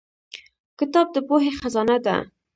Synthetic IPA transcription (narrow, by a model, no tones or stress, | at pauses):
kɪt̪ɑb̚d̪əpoɦexazɑnad̪a̰